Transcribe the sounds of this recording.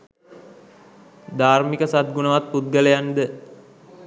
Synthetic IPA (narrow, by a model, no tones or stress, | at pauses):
d̪aːrmikəsat̪̚ɡunəʋat̪̚put̪̚ɡələjand̪ə